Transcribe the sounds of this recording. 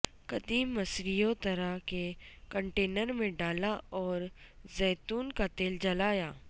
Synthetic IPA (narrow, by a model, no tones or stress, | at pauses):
kɐd̪iːmːɐsɾijõt̪ɐɾaɦkekə̃ɳʈeːnəɾmẽɖaːlaɔːɾzɛːt̪uːnkat̪eːld͡ʒɐlaːjaː